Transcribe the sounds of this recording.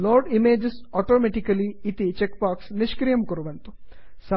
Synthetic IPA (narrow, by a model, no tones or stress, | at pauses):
loːɖimeːd͡ʒesɔːʈoːmeʈikɐliːt̪it͡ʃek̚baːksniʃkɾijɐmkuɾuʋɐnt̪u̥ | sɐ